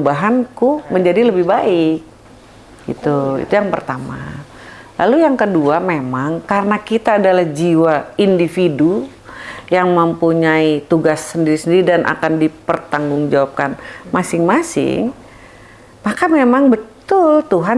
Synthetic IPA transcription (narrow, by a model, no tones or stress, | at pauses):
baɦankuməɲd͡ʒadiləbɪhbaɪk̚ | ɡḭt̪uḭt̪ujaŋpərt̪ama̰ | la̰lujaŋkəduamemaŋkaɾənakit̪aːdalahd͡ʒiwaindifidu | jaŋməmpuɲait̪uɡasːəndiɾisəndiɾidanʔa̰kandipərt̪aŋɡʊŋd͡ʒawap̚kanmasɪŋmasɪ̰ŋ | makamemaŋbət̪ʊlt̪uɦa